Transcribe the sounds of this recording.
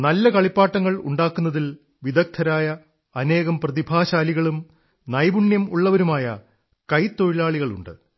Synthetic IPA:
nɐlːɐkɐɭipːaːʈːɐŋːɐɭṵɳɖaːkːunːɐðil | ʋid̪ɐk̚t̪ʰɐɾaːjɐ | ɐne̞ːɣɐmprɐðibʱaːɕaːliɣɐɭum | nɐjbuɳjɐmuɭːɐʋɐɾumaːjɐ̰ | kɐjt̪ːo̞ɻiɭaːɭiɣɐɭṵɳɖɨ̰

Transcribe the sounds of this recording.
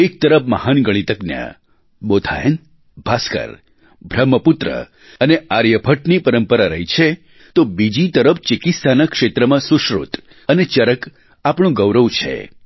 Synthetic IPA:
ek̚t̪əɾəpmaɦanɡəɽ̃it̪əknja̰ | bot̪ʰa̰jə̰n | bʱaskə̰ɾ | bʱɾəmːəpʊt̪ɾə̰ | əneaɾjəpʰəʈnipəɾəmpəɾaɾə̰ɦit͡ʃʰe | t̪obid͡ʒit̪əɾəft͡ʃɪkit̪sʰanãkʂet̪ɾəmãsuʃɾṵt̪ | ənet͡ʃəɾək | apɳ̃ũɡəʋɾəʋt͡ʃʰḛ

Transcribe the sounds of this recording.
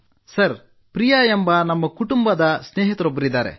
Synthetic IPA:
sɐɾ | pɾijɐembɐnɐmːɐkuʈumbɐd̪ɐsneːɦit̪ɐɾobːɐɾid̪ːaːɾḛ

